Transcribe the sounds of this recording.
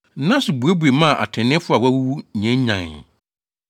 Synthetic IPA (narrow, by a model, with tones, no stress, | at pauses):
nã˦sʊ˨bu˨e˦bu˨e˨mã˦˨ʔa̰˨tʰɪ̃˨nɪ̃˦fʊ˦a˨wæ˦wu˦wu˦ɲɛ̃˦ɲ˦ɲã̰˨ŋ˨